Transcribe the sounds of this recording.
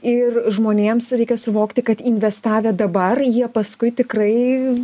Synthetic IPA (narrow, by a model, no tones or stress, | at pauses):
ɪrʒmoːnʲeːmsɾʲɛɪkʲɛsʊʋoːkt̪ʲɪkɐt̪ɪnʲʋʲɛst̪ɑːʋʲed̪ɐbɐrjiɛpɐskʊɪt̪ʲɪkrɐɪ